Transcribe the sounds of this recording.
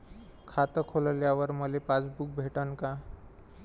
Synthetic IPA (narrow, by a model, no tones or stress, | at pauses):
kʰat̪əkʰoləljaʋəɾməlepat͡sbuk̚bʱeʈənka